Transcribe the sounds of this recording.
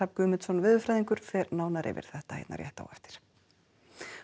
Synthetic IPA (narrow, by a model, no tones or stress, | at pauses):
ap̚ɡʏːmɪt̪sɔnvɪːðʏfɾajðiŋkʏɾ̥fɛːɾnaːwnaɾʔɪ̰vɪ̰ɾ̥θɛht̪ahḛjt̪na̰ɾjɛ̰ht̪a̰wɛ̰ft̪ɪ̥ɾ̥